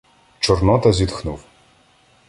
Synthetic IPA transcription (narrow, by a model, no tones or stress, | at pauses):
t͡ʃɔrnɔt̪ɐzʲid̪xnuw